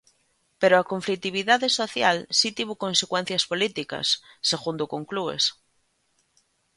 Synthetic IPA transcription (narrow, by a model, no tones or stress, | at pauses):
peɾoakoɱflik̚t̪iβ̞iðaðesoθjalsit̪iβokonsekwɛn̟θjaspolit̪ikɐ̰sːeɣund̪okoŋkluḛs